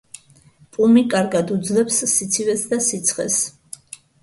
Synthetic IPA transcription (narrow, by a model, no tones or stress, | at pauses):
pʼumikʼaɾɡad̪ud̪zlɛpsːit̪sʰivɛsd̪asit̪sʰχɛ̰s